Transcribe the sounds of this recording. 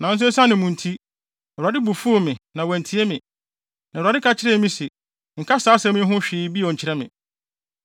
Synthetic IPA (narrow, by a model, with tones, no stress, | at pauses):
nã˨n̩˦s̬ʊ˦sã˦nɪ̃˨mũ˨n̩˨tʰi˦˨ | a˨dɪ˦bu˨fu˦o˨mɪ̃˨nã˨wɛ̃˨n˨tʰi˨˦e˦mɪ̃˨ | nã˨ɾa˨ɪ˦kʰa˨t͡ɕʰɪ˦ɾɛ˦mĩ˦sɪ˨ | ŋ̩˨kʰa˦saː˦sɛ̃˦mɪ̃˦ɦʊ̃˦ɕᶣɪː˨˦bi˦˨ɔ˨ɲ̩˨t͡ɕʰɪ˨ɾɛ˦mɪ̃˨